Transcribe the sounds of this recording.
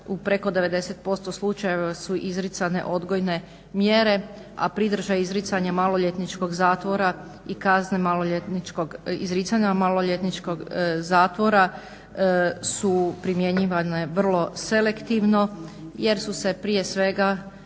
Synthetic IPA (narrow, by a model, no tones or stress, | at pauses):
upɾe̞ko̞d̪e̞ʋe̞d̪e̞set̪̚po̞st̪o̞slˠut͡ʃaje̞ʋasuʔizɾit̪sane̞̰ʔo̞d̪ɡo̞jne̞ | mjeɾe̞ | a̰pɾid̪r̩ʒaizɾit̪saɲamalˠoʎet̪nit͡ʃko̞ɡzaːt̪ʋo̞ɾa | ikaznemaloʎet̪nit͡ʃkoɡḭzɾit̪saɲamaloʎet̪nit͡ʃkoɡzaːt̪ʋo̞ɾa | supɾimje̞ɲiʋaneʋr̩lˠo̞se̞le̞kt̪iʋno̞je̞ɾsuse̞pɾije̞sʋe̞ɡa